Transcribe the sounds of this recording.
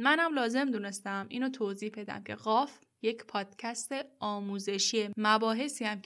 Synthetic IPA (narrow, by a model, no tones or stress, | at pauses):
mænæmlɒːze̞md̪une̞st̪æmʔiːnot̪ʰoːziːhbe̞d̪æ̰mcʰe̞ɣɒːf | je̞cʰpʰɒːd̪̥cʰæst̪eɒːmuːze̞ʃiemæbɒːɦe̞siːhæm